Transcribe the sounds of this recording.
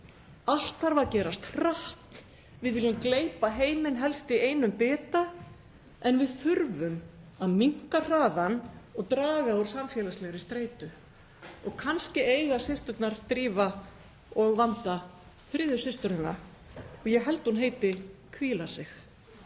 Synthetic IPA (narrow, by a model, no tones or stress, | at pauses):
al̥t̪θaɾvaɾcɛːɾast̪r̥aht̪ | vɪðvɪlʏmkleːjpaɦeːjmɪnɦɛlst̪ieːjnʏmpɛːt̪a | ɛnvɪðθʏɾvʏmaðmiŋ̥kar̥aːðanɔɣt̪ɾaːɣaɔwɾ̥samfjɛːlaslɛɣɾɪst̪ɾeːjt̪ʏ | ɔɣkʰanscɪeːjɣasɪst̪ʏt̪naɾ̥t̪ɾiːva | ɔɣvant̪a | θɾɪːðʏsɪst̪ʏɾɪnːa̰ | ɔɣjɛɦɛlt̪hunɦeːjt̪ɪkʰviːlasɪx